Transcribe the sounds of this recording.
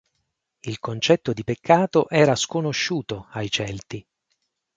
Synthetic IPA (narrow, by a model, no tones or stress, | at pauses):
ilkont͡ʃɛt̪ːod̪ipekʰːaːt̪oʔɛːɾaskonoʃːuːt̪oajt͡ʃɛlt̪i